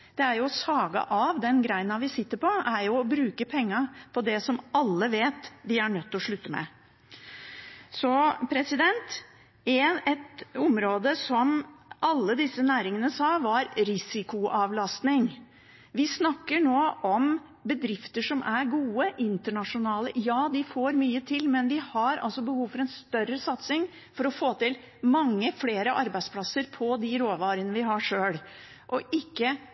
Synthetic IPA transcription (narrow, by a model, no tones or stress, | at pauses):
d̪̥ɛæɾjʊɔsɑːɡɑ̰ʔɑʋd̪ɛnɡɾæɪənɑʋɪsɪt̪ːəɾpʰɔæɾjʊɔbɾʉːkəpʰɛŋːəpʰɔd̪ɛsɔmɑlːəʋeːt̪ʋɪæɳœt̪ːɔʂɭʉt̪ːəmɛ̰ | sɔpʰɾɛsɪd̪ɛnt̪ | ɛɛt̪ʊmɾoːd̪əsɔmɑlːəd̪ɪsːənæːɾɪŋənəsɑːʋɑɾɾɪsɪkʊʔɑʋlɑst̪nɪŋ | ʋɪsnɑkːəɳoːʔɔm | bəd̪ɾɪft̪əʂɔmʔæɾɡuːəʔɪnt̪əɳɑʂʊnɑːləjɑːd̪ɪfoːɾmyːət̪ʰɪlmɛnʋɪhɑɾɑ̰lsɔbəhuːʋfɔɾɛnst̪œrəsɑt̪sɪŋ | fɔɾɔfoːt̪ɪl | mɑŋːəfleːɾəʔɑɾbæɪspʰlɑsəɾpʰɔd̪ɪɾoːʋɑːɾənəʋɪɦɑʂøːl | ʔɔʔɪkːə